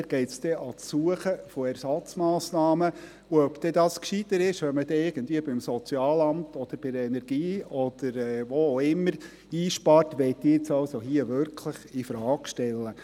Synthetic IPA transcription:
ɡ̥ɛɪtsd̥ɛʔɑt͡sːuəχəfoɛɾsɑt͡smɑːsnɑːmə | uœbd̥̪ɛdɑːskʃid̪əɾɪʃʋɛnməd̥ɛɪɡ̥ən̩tviəbɪmsɔt͡sjɑːlɑmtɔd̪̥əɾb̥ɪɾəɛnɛɾɡ̥iːɔd̪̥əɾɛʋoːoʊɪmːəɾ | iːʃpɑɾtʋɛɪt̪ːɪɪt͡sɑʊsoɦiəʋʏɾkʰləχifɾɑːkʃtɛlːə

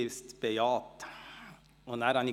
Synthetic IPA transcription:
ɪst̪bɛjɑːt̪ | ɔnæɾɑnɪ

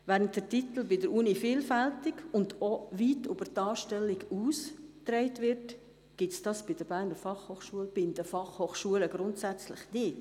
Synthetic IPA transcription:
ʋæːɾənt̚d̥ətit̪l̩bɪdəɾunifiːlfæltɪkʊndoʋitub̥ətɑːʃtɛlːiɡuːstɾɛɪtʋɪɾt | ɡ̥ɪtsd̥ɑːsb̥ɪd̥əɾbæːɾnəɾfɑχhoːχʃuəlb̥ɪndəfɑχhoːχʃuələɡɾʊntsæt͡slɪχnɪt

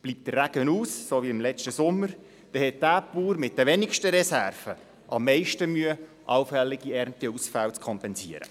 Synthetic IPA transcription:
b̥liːp̚td̥ərːæɡ̥ənuːsːoviɪmlɛt͡ʃtəsʊmːəɾ | d̪̥ɛhɛt̚dæːpuːɾmɪt̚d̥əʋɛnɪkʃtəɾɛsærv̥ə | ʔɑmːɛɪʃtəmyə | ʔɑwfɛlːɪɡ̥iɛrntiusfælt͡skʰɔmpɛnsiəɾə̰

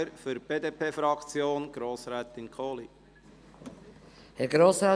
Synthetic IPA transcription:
əɾfyɾb̥eːdepʰeːfɾɑkt͡sjoːnɡ̥ɾoːsɾɛːt̪ɪnkʰoːli | hɛɡɾoːsɾa

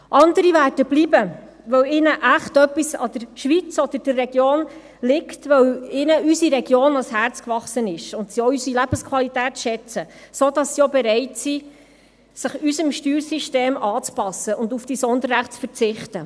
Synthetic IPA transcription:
ʔɑndəɾivæːɾd̥əbliːbə | ʋœwɪnəʔæχtœpːisɑ̰d̥̪əɾʃʋit͡sɔd̪əɾd̥ərːɛɡ̥joːn | lɪktʋœwɪnəysiɾɛɡjoːnɑlshært͡skvɑχsənɪʃʊntsioysilæb̥əskʰʋɑlitæːtʃɛt͡səsod̥ɑsːiobɛɾɛɪtsi | sɪχysəmʃtyːɾsiʃteːmɑːt͡spɑsəʔʊndufd̥isɔnd̪əɾɾæχtt͡sfəɾt͡sɪχtə

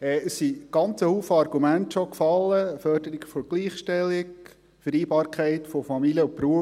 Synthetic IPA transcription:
ɛːəssiɡ̥ɑnt͡səhuːfəɑɾɡumæntʃokfɑlːəfœɾdəɾiɡfɔɡ̥liːχʃtɛlːɪk | fəɾiːbɑːɾkχæɪtfofɑmilijəʊpɾuə

